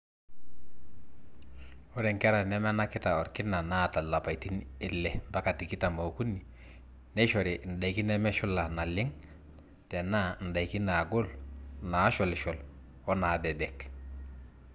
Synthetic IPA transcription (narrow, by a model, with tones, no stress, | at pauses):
ɔ˦ɾɛ˨ŋkɛ˦ɾa˨nɛ˦m˦na˦kɪ˦ta˨ɔ˨ɾkɪ˦na˨na˦˨ta˨la˨pa˨jti˦nɪ˦lːɛ˨ba˦ka˨ti˨kɪ˦ta˨mo˨ku˦nːi˨ | nɛ˦ʃɔ˨ɾi˨ʔn̩˨da˨jki˦nɛ˦mɛ˦ʃʊ˦la˨na˨lɪ˦ŋ | tɛ˨na˦n̩˨da˨jki˦na˨ɡʊ˦lna˨˦ʃɔ˨lʃɔ˨l | wɔ˦na˨bɛ˨bɛ˨k